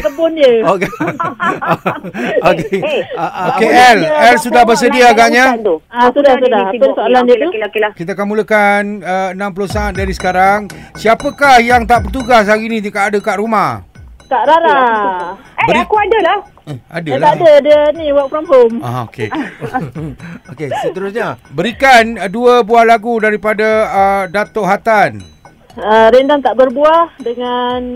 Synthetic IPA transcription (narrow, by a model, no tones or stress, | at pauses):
t̪əbʊnd͡ʒəok | ok | okeɛlɛlsudahbərs̬ədiaɡaʔɲaasudahsudahaəsoalandiukakit̪aakanmuləkanəənãmpulʊhsaːt̪̚daɾisə̥kaɾaŋsiapəkahjaŋt̪aʔpərt̪̬uɡas̬aɡinit̪ikaʔːdəkaʔɾumah | kaʔɾaɾa | ɛbəiakuadəlah | adəalaadədəniwaʔpɾampomaɦokḛ | okesəəɾʊsɲabəɾikanduəbuahlaɡudaɾipadaədat̪oʔɦat̪an | əɾendaŋt̪aʔbərbuahdəŋan